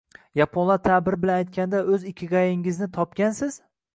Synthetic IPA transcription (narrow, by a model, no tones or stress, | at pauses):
japʰonlˠat̪ʰabɪɾɪbɪlanajt̪̚kʲand̪aɵzɪkʲʰːɪɡajɪŋɪznɪt̪ʰɒp̚kʲansɪz̥